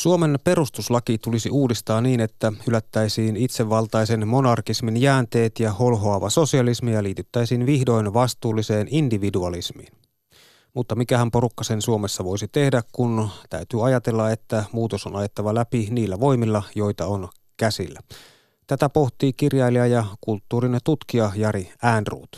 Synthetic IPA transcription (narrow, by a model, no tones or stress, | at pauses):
suome̞npe̞ɾust̪uslɑkit̪ulisiuːdist̪ɑːnniːne̞t̪ːæhylæt̪ːæjsiːnit̪seʋːɑlt̪ɑjse̞nmo̞nɑrkisminjæːnt̪e̞ːt̪jɑholɦoɑʋɑso̞siɑlismijɑliːt̪yt̪ːæjsiːnʋihdo̞jnʋɑst̪uːlːise̞ːnindiʋiduɑlismḭːn | mut̪ːɑmikæhæmpo̞ɾukːɑse̞nsuomesːɑʋo̞jsit̪e̞hdækkunt̪æ̰yt̪yːɑjɑt̪e̞lːɑe̞t̪ːæmuːt̪o̞sonɑjet̪ːɑʋɑlæpiniːlːæʋo̞jmilːɑjo̞jt̪ɑon | kæsilːæ | t̪æt̪æpo̞ht̪iːkirjɑjliæjɑkult̪ːuːɾinet̪ut̪kiɑjɑɾiæːnrṵːt̪